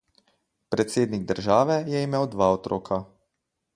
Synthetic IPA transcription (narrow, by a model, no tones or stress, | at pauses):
pɾɛt̪seːd̪niɡ̚d̪əɾʒaːʋɛjɛimeːwd̪ʋaːɔt̪ɾoːkʰa